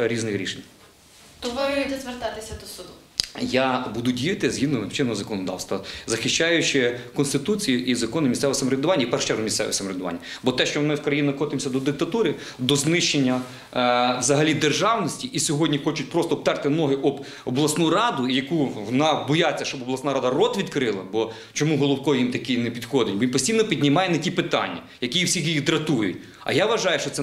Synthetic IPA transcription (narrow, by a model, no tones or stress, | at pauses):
ɾʲiznɪxɾʲḭʃenʲ | t̪ɔʋd̪ɛzʋert̪ɑt̪ɪsʲɐd̪ɔsʊd̪ʊ | jɑbud̪ʊdʲijɐt̪ɪzʲɦid̪nɔnɪwt͡ʃɪnɔɔzɐkɔnɔd̪ɑ̰wst̪ʋɐzɐxɪʃt͡ʃɑjʊt͡ʃɪkɔnst̪ɪt̪ut͡sʲijiʔizɐkɔnʊmʲist̪ɛʋsɐmɔɾʲɐd̪ʊʋɑnʲːɐipɛrʃt͡ʃɛɾɦʊmʲist̪sɛ̰ʋo̰sɐmɔɾʲɐd̪ʊʋɑ̰nʲːɐbɔt̪ɛʃt͡ʃɔmɪwkɾɐjinɔxɔt̪ɪmsʲɐd̪ɔd̪ɪk̚t̪ɐt̪uɾɪ | d̪ɔznɪʃt͡ʃenʲːɐ | ʋzɐɦɐlʲid̪erʒɑwnɔsʲtʲiʔisʲɔɦɔdʲnʲixɔt͡ʃʊtʲpɾɔst̪ɔb̚t̪ɛrt̪ɪnɔɦɪʔɔb | ɔblˠɐsnuɾɑd̪ʊijɐkuʋɔnɑbɔjat͡sʲːɐʃt͡ʃɔbɔblˠɐsnɑɾɑd̪ɐrɔt̪ʋʲid̪kɾɪlˠɐbɔ | t͡ʃɔmuɦɔlˠʊwkɔjimt̪ɐkijnɛpʲid̪xɔd̪ɪtʲbɔjinpɔsʲtʲijnɔpʲidʲnʲimɑjɛnɐtʲipɪt̪ɑ̰nʲːɐ̰ | jɐkʲijiwsʲixjjid̪ɾɐt̪ujʊ̰tʲ | ɐ̰jaʋɐʒɑjʊʃt͡ʃɔt̪sɛ